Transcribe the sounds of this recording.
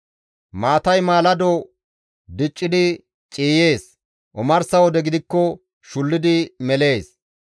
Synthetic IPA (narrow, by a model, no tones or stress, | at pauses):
maːt̪ɐjmaːlɐd̪o | d̪ɪt͡ʃʼːɪd̪ɪ | t͡ʃʼiːje̞ːs | ʔʊmɐɾsɐwɔd̪ɛɡɪd̪ɪkːɔ | ʃʊlːɪd̪ɪmɛle̞ːs